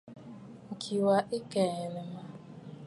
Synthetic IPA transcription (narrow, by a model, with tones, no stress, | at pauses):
ŋ̩˨kʰi˨wa˦ʔɪ˦ke˨le˨ma˦